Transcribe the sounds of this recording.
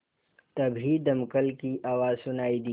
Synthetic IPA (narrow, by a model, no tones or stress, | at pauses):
t̪ɐbʱid̪ɐmkəlkiʔaːwaːzsʊnaːid̪i